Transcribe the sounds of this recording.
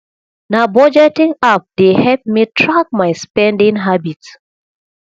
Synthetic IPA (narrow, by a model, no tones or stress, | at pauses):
nabɔd͡ʒɛtĩŋap̚dehɛp̚mitʰɹak̚majspɛ̃ndĩŋɦabit